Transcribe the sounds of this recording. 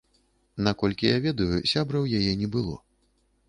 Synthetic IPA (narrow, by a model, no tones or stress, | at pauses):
nakɔlʲkʲijavʲɛd̪ɐjusʲabɾɐwjajɛnʲɛbɨlˠɔ̰